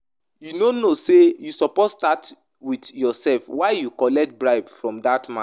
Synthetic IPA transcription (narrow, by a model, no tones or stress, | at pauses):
junonosejusɔposstat | widjɔsɛlfwaɪjukɔlɛkt̚bɹaɪbfɹɔ̃mdatmã̰